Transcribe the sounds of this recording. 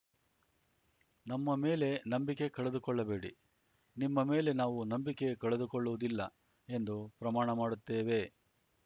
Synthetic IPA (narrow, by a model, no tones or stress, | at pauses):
nɐmːɐme̞ːle̞nɐmbike̞kɐɭed̪ukɔɭːɐbe̞ːɽḭ | nimːɐme̞ːle̞naːʋunɐmbike̞kɐɭed̪ukɔɭːuʋud̪ilːɐ | e̞nd̪upɾɐmaːɳɐmaːɽut̪ːeːʋe̞